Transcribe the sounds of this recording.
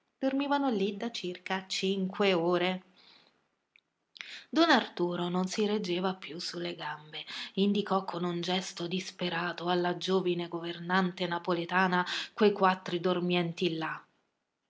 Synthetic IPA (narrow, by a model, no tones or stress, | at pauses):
d̪̥ormiːvanolid̪at͡ʃirkat͡ʃiŋkweoːɾe | d̪ɔnart̪uːɾononsiɾed͡ʒːeːvapːjusulːeɡambeind̪ikɔkʰːonund͡ʒɛst̪od̪ispeɾaːt̪oalːad͡ʒoːvineɡovernant̪enapolet̪aːnakwejkwat̪ːɾid̪ormjɛnt̪ilːa